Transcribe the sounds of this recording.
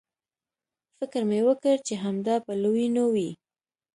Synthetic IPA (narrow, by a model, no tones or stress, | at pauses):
fɪkɾmewəkəɾt͡ʃeɦamd̪ɑpəlowinowi